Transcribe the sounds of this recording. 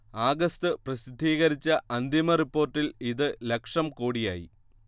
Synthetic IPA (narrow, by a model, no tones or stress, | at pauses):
aːɡɐst̪ɨprɐsid̪ʱːiːɣɐɾit͡ɕːɐʔɐnd̪imɐripːo̞ːrʈːiliðɨlekʂɐmkoːɽija̰ːjḭ